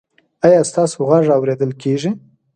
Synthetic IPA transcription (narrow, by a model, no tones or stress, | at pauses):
ɑjɑst̪ɑsoɣaʐawɾed̪əlkeʐi